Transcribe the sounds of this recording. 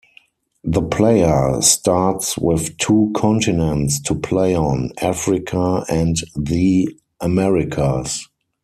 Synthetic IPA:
ðəpʰleɪə˞staɹtswɪθtʰuːkʰɔ̃ntɪnə̃ntstʰupʰleɪɔ̃nafɹɪkʰaæ̃ntði | ʔəmɛɹɪkʰas

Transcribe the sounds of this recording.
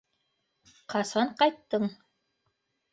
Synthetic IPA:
qɑsɑɴqɑjt̪ːɤɴ

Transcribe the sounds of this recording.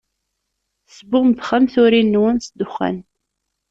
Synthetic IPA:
θsbʊʁmðχamθʊɾinːwənsd̪ːʊχːæ̰n

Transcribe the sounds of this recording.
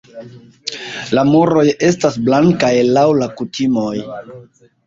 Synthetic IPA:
lamoɾo̞je̞stasblaŋkajlawlakutʰimo̞j

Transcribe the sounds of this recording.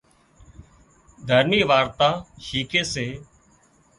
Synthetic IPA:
d̪ʱəɾniːʋaːɾt̪ãːʃiːkeːseː

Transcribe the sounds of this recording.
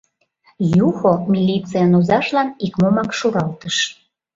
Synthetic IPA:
juxomʲilʲit͡sijənozɑʃlɑnikmomɑkʃuɾɑlt̪əʃ

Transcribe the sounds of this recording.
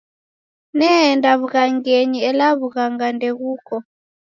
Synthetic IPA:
nɛndaβuɣaŋɡɛɲiɛlaβuɣaŋɡandɛɣuːkɔ

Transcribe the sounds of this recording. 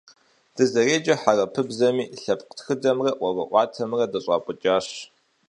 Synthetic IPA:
d̥ɨzɐreːd͡ʒʼɐħarɐpʰɨbzɐmiːɬɐpqtxɨdɐmrɐwɐvɐʔʷɑːtʰɐmrɐdɐɕʼɑːpʷʼʊt͡ʃʼaːɕ

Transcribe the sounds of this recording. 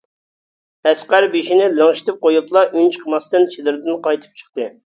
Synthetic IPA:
ɛsqæɾbeʃinɪlˠəŋʃi̥t̪ʰɪp̚qojuplˠɑʔynt͡ʃʰqʰəmɑst̪ɨnt͡ʃʰed̪ɪɾd̪ɪnqʰɑjt̪ʰɨ̥p̚t͡ʃʰə̥χt̪ɨ

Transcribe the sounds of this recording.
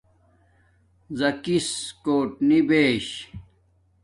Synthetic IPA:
zɐkiskoːʈnibeːɕ

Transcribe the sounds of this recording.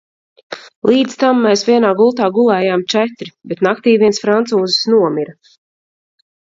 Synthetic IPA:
lˠiːd̪zt̪amːɛjsvʲiɛnaːɡulˠt̪aːɡulˠɛːjaːmt͡ʃɛt̪ɾibɛt̪nakt̪iːviɛnsfɾant̪suːzɪsnuɔmiɾa

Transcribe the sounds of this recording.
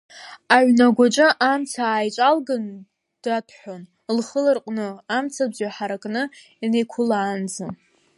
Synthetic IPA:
aʕʷnaɡʷat͡ʃʷʼɨʔamt͡sʰaːjt͡ʃʷʼalɡan | d̥atʰʼħʷᶣon | lχəlɨrqʼnɨamt͡sʰabzaħaɾakʼnɨ | inejkʷʰʊlaːnd͡za

